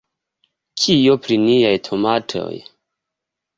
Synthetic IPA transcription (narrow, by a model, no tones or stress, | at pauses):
kʰijopɾinijajtʰomatʰo̞̰j